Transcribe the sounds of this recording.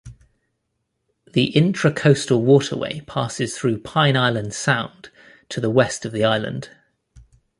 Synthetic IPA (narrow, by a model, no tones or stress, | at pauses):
ðiʔɪ̃ntɹ̥əkʰəʊstəlˠwɔˑtʰə̰wḛɪpʰɑˑsɪz̥θɹʉːpʰãɪ̃naɪlə̃nd̥sãʊ̃n | tʰəðəwɛstəvðiaɪlə̰̃nd̥